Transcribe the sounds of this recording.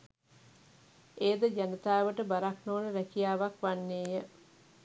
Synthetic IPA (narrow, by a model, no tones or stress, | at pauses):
eːd̪əd͡ʒanit̪aːʋəʈəbaɾaknoːnəɾækijaːʋakʋanːeːjə